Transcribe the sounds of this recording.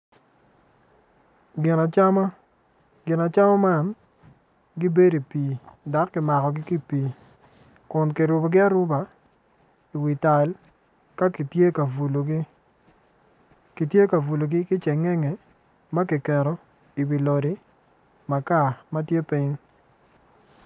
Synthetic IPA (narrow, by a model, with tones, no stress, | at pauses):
ɡɪ˨na˨t͡ʃa˦ma˦ | ɡɪ˨na˨t͡ʃa˦mɔ˦ma˦n | ɡɪ˦be˦di˨piː˨da˨˦kːɪ˨ma˨kɔ˨ɡɪ˦ki˦piː˨˦ | kʊ˨nki˨ɾʊ˨bo˨ɡɪ˦a˦ɾʊ˦ba˨ | i˨wi˨ta˨l | ka˦ki˨tje˦ka˨vu˨lo˨ɡɪ˦ | ki˨tje˦ka˨vu˨lo˨ɡɪ˦kɪ˦t͡ʃɛ˨ŋɛ˦ŋe˨ | ma˦ki˨kɛ˨ɾɔ˨ | i˨bi˨lo˨ɾi˨ | ma˨ka˦˨ma˦tje˦pi˦ɲ